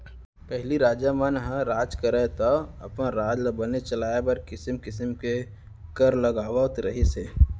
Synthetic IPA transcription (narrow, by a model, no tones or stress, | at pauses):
pɛɦliɾaːd͡ʒamanɦə̃ɾaːd͡ʒkəɾət̪ɔɐ̰pnaɾaːd͡ʒləbənet͡ʃəlaːjabɐɾkɪsəmkɪsəmke | kəɾləɡaːwaʊt̪ɾɐɦiseː